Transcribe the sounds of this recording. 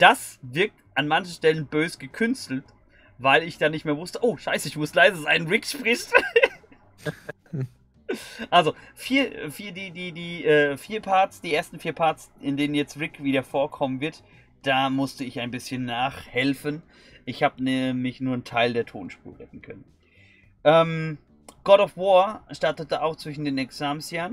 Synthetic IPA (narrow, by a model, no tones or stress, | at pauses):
d̥asvɪɐk̚tʔanmançn̩ʃtɛlənbøːzəɡ̥əkʰʏnstl̩t | vaɪlɪçd̥aːnɪçtmeːɐvʊstəʔoːʃaɪsəɪçmʊslaɪzəzaɪnʁɪkʃpʁ̥ɪst | ʔalzofiːɐfiːɐdiːdiːdiːʔɛːfiːɐpʰaɐtsd̥iːʔeːɐstn̩fiːɐpʰaɐtsʔɪndeːnənjɛt͡stʁɪkv̥iːdɐfoːɐkʰɔmənvɪɐt | d̥aːmʊstəɪçaɪnbɪsçənːaːχhɛlfən | ʔɪçhaːbənɛmɪçnuːɐn̩tʰaɪldeːɐtʰo̰ːnʃpṵːɐʁɛtn̩kʰœ̰nən | ʔɛːm | ɡ̥ɔɾɔfvɔːɐʃtaɐtətəaʊxt͡sv̥ɪʃn̩deːnɛksaːmsjaːn